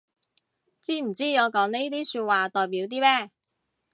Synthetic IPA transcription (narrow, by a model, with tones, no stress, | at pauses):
t͡siː˥m̩˨˩t͡siː˥ŋɔː˨˧kɔː˨˥ŋne˥jt̪̬iː˥syː˧t̚waː˨˧t̪ɔː˨˩jpiː˨˥wt̪iː˥mɛː˥˩